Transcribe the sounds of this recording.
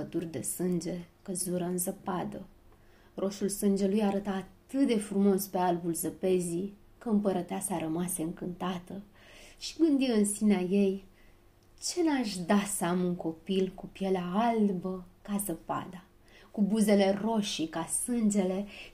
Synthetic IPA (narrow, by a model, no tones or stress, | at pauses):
əd̪urʲd̪e̞̰sɨnd͡ʒe̞kəzuɾəɨnzəpad̪ə | rʔo̞sulsɨnd͡ʒe̞lujaɾət̪aːt̪ɨt̪̚d̪e̞fɾumo̞spe̞albulzəpe̞zi | kəɨmpəɾət̪easaɾəmaseɨŋkɨnt̪at̪ə | ʃi̥ɡɨnd̪iwɨnsineaje̞j | t͡ʃe̞neaʃʲd̪asəamuŋko̞pilkupjelaalbəkazəpa̰d̪a | kubuze̞le̞ro̞ʃikasɨnd͡ʒe̞le̞